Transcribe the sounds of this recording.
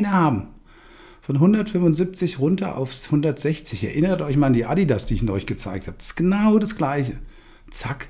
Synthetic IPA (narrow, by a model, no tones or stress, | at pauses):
nəhaːbm̩ | fɔnɦʊndɐtfʏmvʊnzɪp̚t͡sɪçʁʊntɐ̰ʔa̰ʊfzhʊndɐtz̥ɛçt͡sɪçɛ̰ɐʔɪnətʔɔʏçmaːlandiːʔadidasd̥iːɪçɪnɔ̰ʏçɡ̥ət͡sa̰ɪk̚thaːbəd̥ɪ̥sɡ̥ənaʊdasɡ̥laɪçə | t͡sak